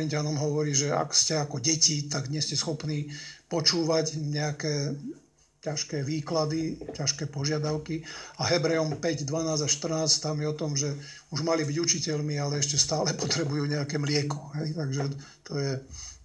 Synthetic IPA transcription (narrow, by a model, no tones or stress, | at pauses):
iɲcanɔmɦɔʋɔɾiːʒɛa̰kscɛakɔɟɛcit̪aɡɲɛscɛsxɔpniːpɔt͡ʃuːʋacɲɛakɛː | caʃkɛːʋiːklad̪icaʃkɛːpɔʒɪad̪aʊkiaɦɛbɾɛɔmpɛɟd̪ʋanaːzaʃt̪r̩naːsct̪amjɛɔt̪ɔmʒɛ | uʒmalibiɟut͡ʃicɛʎmialɛɛʃcɛst̪aːlɛpɔt̪ɾɛbujuːɲɛakɛːmlɪɛkɔ̥ɦɛjt̪aɡʒɛt̪ɔjɛ